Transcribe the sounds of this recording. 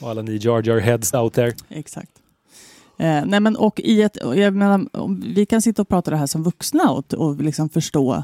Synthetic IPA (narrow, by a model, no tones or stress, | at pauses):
alːanid͡ʒɑːd͡ʒɔɹɦɛd̪saʊt̪̚d̪ɛɾɛksa̰k̚t̪ | nɛmɛnʔɔkːɪɛt̪ɔ̰jaɡmeːnaɾɔ̰mvɪkansɪt̪ːaɔpʰɾɑːt̪ad̪ɛɦæːʂɔmvɵksnaɔ̰t̪ɔ̰lɪksɔmfœʂʈoː